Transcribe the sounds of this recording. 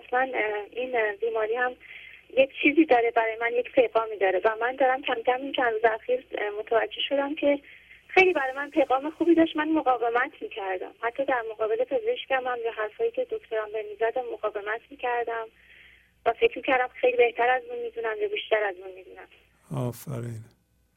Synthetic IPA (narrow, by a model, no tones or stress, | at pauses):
æslæninbiːmɒːɾiːhæmjecʰt͡ʃʰiːziːd̪ɒːɾe̞bæɾɒːjemænje̞cpʰe̞ɣɒːmiːd̪ɒːɾevæmænd̪ɒːɾæmcʰæmcʰæmint͡ʃʰænɾuːzeæxiːɾmo̞t̪ʰævæd͡ʒːe̞ʃo̞d̪æmcʰe̞xe̞jliːbæɾɒjmænpʰe̞jɣɒːme̞xuːbiːd̪ɒːʃt̪mænmoɣɒːve̞mæt̪ʰmiːcʰæɾd̪æ̰mhæt̪ʰːɒːd̪æɾmoɣɒːbe̞le̞pʰe̞zeeʃcæmæmjɒːɦæɾfɒːjiːcʰe̞d̪ocʰt̪ʰo̞ɾɒnbemiːzæd̪æmːoɣɒːve̞mæt̪ʰmiːcʰæɾd̪æm | væfe̞cʰɾmiːcʰæɾd̪æmxe̞jliːbe̞ht̪ʰæɾæzunmiːd̪unæmjɒbiʃt̪æɾæzunmiːd̪unæm | ɒːfæɾiːn